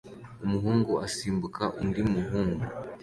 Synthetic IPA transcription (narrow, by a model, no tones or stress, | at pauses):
umuɦuːŋɡuasiːmbukʰaʔundimuɦuːŋɡu